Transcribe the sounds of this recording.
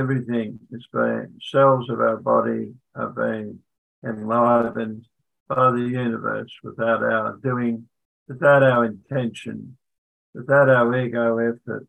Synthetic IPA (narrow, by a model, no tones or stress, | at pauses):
ɛvɹiθɪ̃ŋɨz̥bẽɪ̰̃ŋsɛlˠvzʌvaʊə˞bɑ̰ɾi | ə̰bĩɪ̃ŋ | ɨ̃nlaɪvɨ̃n | b̥aɪðɨjʉnɨvɜ̰˞swəθaʊɾa̰ʊə˞dʉɪ̃ŋ | wɨθaʊɾaʊə˞ɨ̃ntʰɛ̃nʃɨ̰̃n | wɨθaʊɾaʊə˞wiɡoʊɛfə̰t̚